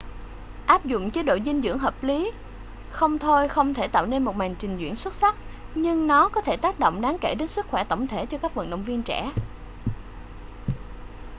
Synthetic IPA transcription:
ʔaː˦˥p̚zʊ̰˧˨ŋ͡mt͡ɕe˨˦ɗo̰˧˨zï˧ŋ̟zɨ̰˧˥əŋɦəː˨˩p̚li˨˦ | xə˧wŋ͡mt̪ʰo˧jxə˧wŋ͡mt̪ʰe˧˩t̪a̰ː˧˨wne˧nmo˨˩t̚ma˨˩jŋ̟t͡ɕï˨˩ŋ̟zwḭ˧˩˥ənswə˦˥t̚sa˦˥k̚ɲɨ˧ŋnɔ˨˦kɔ˨˦t̪ʰe˧˩t̪aː˦˥k̚ɗo̰˧˨wŋ͡mɗaː˨˦ŋke˧˩ɗe˨˦nsɨ˦˥k̚xwɛ˧˩t̪ə˧˩wŋ͡mt̪ʰe˧˩t͡ɕɔ˧kaː˦˥k̚və̰˧˨nɗə̰˧˨wŋ͡mvi˧ənt͡ɕɛ̰˧˩

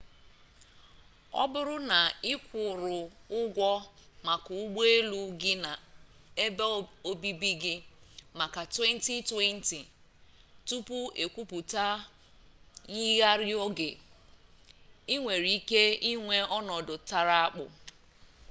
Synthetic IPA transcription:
ɔ̰˦bʊ˦ɾʊ˦na˨ɪ˦kʷʊ˨ɾʊ˨ʊ˦ɡʷɔ˦ma˨kʊ˨ʊ˦ɡ͡be˦lu˦ɡɪ˦na˨ | e˦be˦o˦bi˦bi˦ɡɪ˦ma˨ka˨twe˦n̩˦ti˦twe˦n̩˦ti˨ | tu˦pu˦e˨kʷu˦pu˨ta˦ | ɲi˦ɣa˦ɾɪ˦o˦ɡɪ˨ | i˦ŋʷe˨ɾi˨i˦ke˦i˦ŋʷe˦ɔ˦nɔ˨dʊ˨ta˨ɾa˦a˦k͡pʊ̰˨

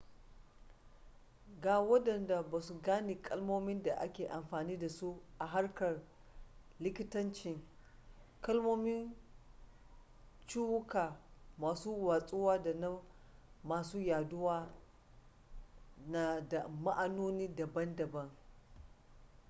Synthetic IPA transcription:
ɡaː˨wɐ˦dɐ˨nda˨baː˨su˨ɡaː˦neː˨kʼɐ˦lmoː˦mɪ˦nda˨ʔa̰˦kʲeː˨ʔa˨mɸaː˨niː˦da˨su˦ʔa˨ɦa˦rkɐ˨r | lɪ˦kʲɪ˦tɐ˦nt͡ʃɪ˨ŋ | kɐ˦lmoː˦mɪ˦n | t͡ʃu˦wʊ˦kaː˨maː˨suː˦waː˨sʼʊ˦waː˦da˨nɐ˦mː | aː˨suː˦jaː˨dʊ˦waː˦ | na˨da˨ma˦ʔa˦noː˦niː˦dɐ˨bɐ˦ndɐ˨bɐ˦ŋ

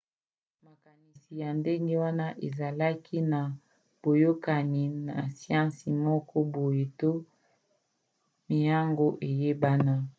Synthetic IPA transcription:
ma˨ka˨ni˨si˨ja˨nde˦ŋɡe˦wa˦na˦ʔe˨za˨la˦kʰi˦na˨ | b̥o˨jo˦ka˨ni˨na̰˨sjã˦si˨mɔ˦kɔ˦bo˨je˨to˦ | mi˨ja˦ŋɡo˦ʔe˨je˦ba˦na˦

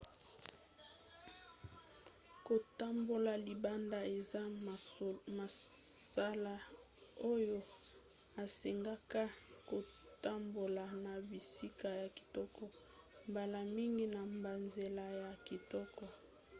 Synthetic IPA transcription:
ko˨ta˦mbo˨la˨li˨ba˦nda˦e˨za˦ | ma˨sa˦la˦ | o˦jo˦ | a˨se˨ŋɡa˦ka˦ko˨ta˦mbo˨la˨na˨bi˨si˦ka˨ja˨ki̥˨tɔ˦kɔ˦ | mba˨la˨mi˦ŋɡi˦na˨mba˨nze˨la˨ja˨ki˨tɔ˦kɔ˦

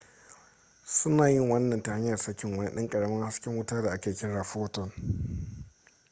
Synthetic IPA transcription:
sʊ˦naː˨jɪ˦˨ŋwɐ˦nːɐ˨nta˨ha˦ɲjɐ˨rsɐ˦kʲɪ˨ŋwɐ˦nɪ˦ɗɪ˦ŋkʼɐ˨ɽɐ˦mɐ˦ŋha˦skʲɪ˦ŋwʊ˦taː˦da˨ʔa˦kʲeː˨kʲɪ˦ɽaː˨ɸoː˦tɔ˨n

